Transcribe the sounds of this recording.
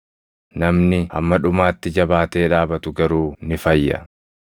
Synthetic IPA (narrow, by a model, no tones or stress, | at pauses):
nɐmnɪɐ̰mːɐᶑʊmaːt̪ːɪd͡ʒɐbaːt̪e̞ːᶑaːbɐt̪ʊɡɐɾuːnɪfɐjːɐ̰